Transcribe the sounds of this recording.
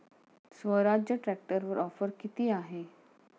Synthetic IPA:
sʋəɾad͡ʑjəʈɾɛk̚ʈəɾʋəɾɔfəɾkit̪iːaɦe

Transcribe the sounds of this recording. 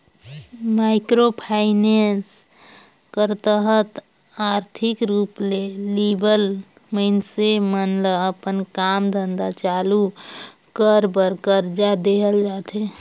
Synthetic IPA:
maɪkɾopʰaɪnens | kəɾt̪əɦət̪ | aɾt̪ʰikɾuplelibəl | məɪnsemənləəpənkamd̪ʱənd̪at͡ʃalu | kəɾbəɾkəɾd͡ʒad̪eɦəld͡ʒat̪e

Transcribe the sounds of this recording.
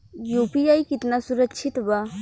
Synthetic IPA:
jupiajkit̪nasuɾəkːt͡ʃʰit̪ba

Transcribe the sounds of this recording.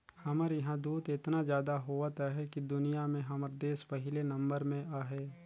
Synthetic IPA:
hɐməɾjɐɦãd̪uːd̪ɪt̪nazjaːd̪aɦoʋət̪aɦɛkid̪ʊnijamẽɦɐməɾd̪eːspɐɦɪlenɐ̃mbəɾmẽʔaːɦɛː

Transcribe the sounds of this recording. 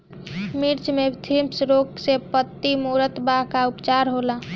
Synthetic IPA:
miɾt͡ʃmet̪ʰimsɾoksepət̪ːimuɾət̪baɦkaupt͡ʃaɾɦola

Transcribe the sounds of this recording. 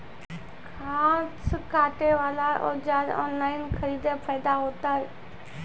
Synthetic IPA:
kʰaːskaːʈeʋaːlaʔod͡ʑaːlɔ̰ːnlaːɪnkʰəɾiːd̪epʰaːjd̪aɦoːt̪aːɦe

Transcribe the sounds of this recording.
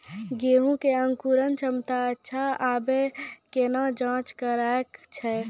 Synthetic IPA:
ɡeːɦũkeə̃ŋkuɾənt͡ʃəmt̪aətːʃʰaaːbekeːnãd͡ʒãːt͡ʃkəɾaːekt͡ʃʰɛ

